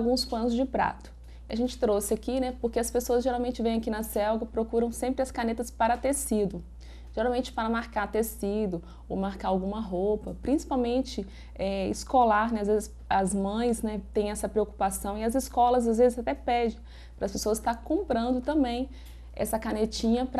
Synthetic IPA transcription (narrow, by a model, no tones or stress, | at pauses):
awɡũspɐ̃nʊzd͡ʒɪpɾa̰t̪ʊ̥ | iɐʒẽnt͡ʃɪ̥t̪ɾosɪakinɛpoɾkeɐspesoɐzʒeɾawmẽnt͡ʃɪvẽj̃ɐkinɐsɛwɡɐpɾokuɾɐ̃w̃sẽmpɾɪɐskanet̪ɐspaɾɐt̪esid̪ʊ | ʒ̥eɾaw̃mẽnt͡ʃɪ̥paɾɐmaɾkaɾt̪esid̪ʊ | o̰wmaɾkaɾawɡũmɐɦopɐpɾĩsi̥pawmẽnt͡ʃɪ | ɛiskolaɾnɛazvezɪs | ɐzmɐ̃j̃snɛt̪ẽj̃ɛsɐpɾeoku̥pasɐ̃w̃iɐziskɔlɐzazvezɪzat̪ɛpɛd͡ʒɪ̃ | pɾɐspesoɐst̪aɾkõmpɾɐ̃nd̪ʊt̪ɐ̃mbẽj̃ | ɛ̰sɐkanet͡ʃĩɲɐpɾ